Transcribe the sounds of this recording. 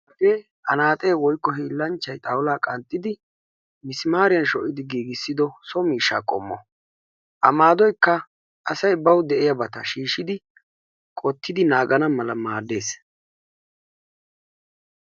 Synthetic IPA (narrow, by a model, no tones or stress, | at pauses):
ɐɡeː | ɐ̰naːt̪ʼe̞ːwɔjkːɔɦiːlːɐnt͡ʃːɐjt̪ʼɐwʊlaːkʼɐnt̪ʼːɪd̪ɪ | mɪsɪmaːɾɪjɐnʃɔʔɪd̪ɪɡiːɡɪsːɪd̪ɔsɔmiːʃːa̰ːkʼɔ̰mːɔ̰ | ʔɐmaːd̪ɔjkːɐ | ʔɐsɐjbɐwd̪ɛʔɪjɐbɐt̪ɐʃiːʃɪd̪ɪ | kʼɔt̪ːɪd̪ɪnaːɡɐnɐmɐlɐmaːd̪e̞ːs